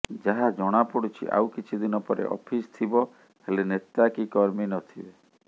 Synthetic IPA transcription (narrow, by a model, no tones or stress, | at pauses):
d͡ʒaɦad͡ʒɔɽ̃apɔɽut͡ʃʰḭʔa̰wkit͡ʃʰid̪inɔpɔɾḛʔɔ̰pʰist̪ʰibɔ | helenet̪akikɔɾminɔt̪ʰibe